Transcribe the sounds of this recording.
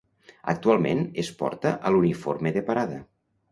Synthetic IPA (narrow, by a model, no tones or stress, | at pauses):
ə̰k̚t̪ualˠmḛnespɔ̰ɾt̪əʔəluniformeðepaɾaðə̰